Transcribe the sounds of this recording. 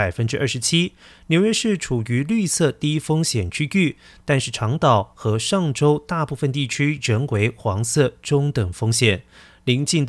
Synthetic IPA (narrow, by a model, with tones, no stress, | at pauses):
a˨˩ɪfə˥nʈ͡ʂɻ̩˥ʔɐ˞˥˩ʂɻ̩˧˥t͡ɕʰi˥njo˧˥ʊɥɛ˥ʂɻ̩˥˩ʈ͡ʂʰu˨˩y˧˥ly˥˧sɤ˥˧t̪i˥fo˥ŋɕjɛ˨˩nt͡ɕʰy˥t͡ɕy˥˩ | t̪a˥˧nʂ̩˥˩ʈ͡ʂʰɑ˧˥ŋt̪ɑ˨˩ʊxɤ˧˥ʂɑ˥˩ŋʈ͡ʂo˥ʊt̪a˥˧pu˥˩fə˧nt̪i˥˩t͡ɕʰy˥ɻə˧˥ŋwe˧˥ɪxwɑ˧˥ŋsɤ˥˩ʈ͡ʂʊ˥ŋt̪ə˨˩ŋfo˥ŋɕjɛ˨˩˦n | li˧˥ŋt͡ɕi˥˩nd̪